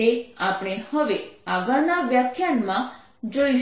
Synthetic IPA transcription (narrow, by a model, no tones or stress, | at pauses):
eapɳ̃ehəʋeaɡəɾnaʋjakʰjanmã | d͡ʒoi